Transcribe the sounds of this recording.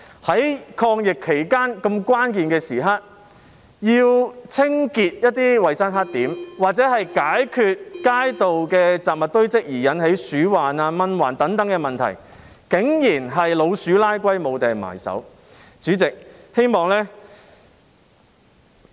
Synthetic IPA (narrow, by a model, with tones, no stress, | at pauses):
hɐ˨˥jkʰɔː˧ŋjɪ˨kʰːe˨˩jkaː˥nkɐ˧mkʷaː˥nkiː˨nkɛː˧siː˨˩ɦaː˥t̚ | jiː˧wt͡sʰɪ˥ŋkiː˧t̚jɐ˥t̚t̪iː˥wɐ˨jsɐ˥nɦaː˥t̚t̪iː˨˥mwaː˨t̚t͡sɛː˨˥hɐ˨jkaː˨˥jkʰyː˨t̚kaː˥jt̪o˨wkɛː˧t͡saː˨p̚mɐ˨t̪ɵ˥ɥt͡sɪ˥k̚jiː˨˩jɐ˨˥nhe˨˥jsyː˨˥waː˨naː˧mɐ˧nwaː˨˩nt̪ɐ˨˥ŋt̪ɐ˨˥ŋkɛ˧mɐ˨nt̪ʰɐ̰˨˩j | kɪ˨˥ŋjiː˨˩nɦɐ˨jlo˨˧wsyː˨˥laː˥jkʷɐ˥jmo˨˧wt̪ɛː˨˩ŋma̰ː˨˩jsɐ̰˨˥w | t͡syː˨˥t͡sɪ˨k̚he˥jmɔː˨˩ŋlɛː˥